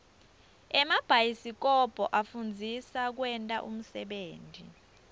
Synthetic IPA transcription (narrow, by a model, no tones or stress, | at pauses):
ɛmab̥ʱajisik̬ʼɔb̥ʱɔʔafund͡zʱisak̬wɛntʼa̰ʔum̩sɛɓeːntḭ